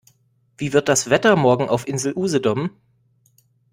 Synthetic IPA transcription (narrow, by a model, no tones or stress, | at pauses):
v̥iːvɪɐt̚d̥asv̥ɛtɐmɔɐɡŋ̩ʔaʊfʔɪnzl̩ʔuːzədɔm